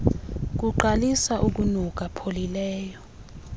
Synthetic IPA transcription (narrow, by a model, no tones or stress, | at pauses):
k̬uǃalisaʔuk̬unuk̬ʼapʰolilɛːjɔ